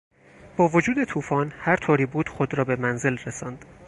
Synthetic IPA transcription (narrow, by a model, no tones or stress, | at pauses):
b̥ɒːvo̞d͡ʒuːd̪e̞t̪ʰuːfɒːnhæɾt̪ʰoːɾiːbuːd̪̥xod̪ɾɒːbe̞mænze̞lresɒːnd̪̥